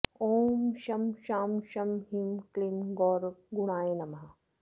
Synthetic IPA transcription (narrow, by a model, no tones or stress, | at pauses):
oːmʃɐmʃaːmʃɐmɦimklimɡɔːɾɡuɽaːjenɐmɐɦɐ